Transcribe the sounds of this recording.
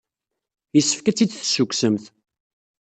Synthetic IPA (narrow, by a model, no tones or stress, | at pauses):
jəsːə̥fkæt͡sːid̪θsːukʷsəmθ